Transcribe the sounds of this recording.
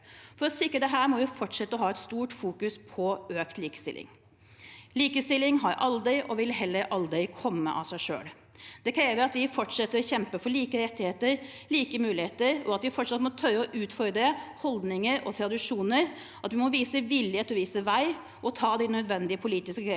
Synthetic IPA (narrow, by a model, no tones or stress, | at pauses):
fɔɾɔsɪkːɾəd̪ɛɦæːɾmɔʋɪfɔʈʂɛt̪ːəɔɦɑːɛt̪st̪uːʈfuːkʉspʰɔøːkt̪liːkəst̪ɪ̰lʔɪ̰ŋ | liːkəst̪ɪlːɪŋɦɑɾʔɑld̪ɪʔɔʋɪlɦɛlːəɾʔɑld̪ɾɪkʰɔmːə̰ʔɑ̰sæɪʂø̰ːl | d̪̥ɛkʰɾeːʋəɾɑt̪ʋɪfɔʈʂɛt̪ːəɾɔçɛmpəfɔɭiːkəɾɛt̪ːɪheːt̪əɾ | liːkəmʉːlɪheːt̪əɾɔɑt̪ʋɪfɔʈʂɑt̪mɔt̪ʰœɾːəɔʔʉːt̪fɔɾd̪ɾəhɔld̪nɪŋəɾɔt̪ʰɾɑd̪ɪʂuːnəɾ | ʔɑt̪ʋɪmɔʋiːsəʋɪljeːt̪ɔʋiːsəʋæɪ | ʔɔt̪ʰɑːd̪ɪnœd̪ʋɛnd̪ɪəpʰʊliːt̪ɪskəe